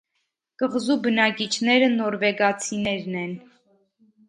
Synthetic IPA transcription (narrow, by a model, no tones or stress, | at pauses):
kəʁzubənɑkit͡ʃʰnɛɾənɔɾvɛɡɑt͡sʰinɛɾnɛn